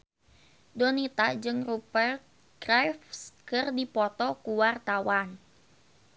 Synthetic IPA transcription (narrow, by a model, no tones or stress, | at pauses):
donit̪ad͡ʒɨŋrupɛrt̪̚ | ɡrafskɨrdipɔt̪ɔkuwart̪awan